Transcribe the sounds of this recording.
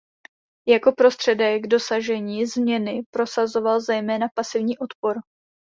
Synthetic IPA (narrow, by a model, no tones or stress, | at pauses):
jako̞pɾo̞st̪r̝̥ɛdɛɡdo̞saʒɛɲiːzmɲɛnɪpɾo̞sazo̞valzɛjmɛːnapasɪvɲiːʔo̞t̪po̞ɾ